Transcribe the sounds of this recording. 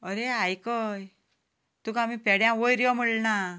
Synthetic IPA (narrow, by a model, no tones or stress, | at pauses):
əɾeajkəj | t̪ukamipɛɽjãʋojɾjɔm̤əɭna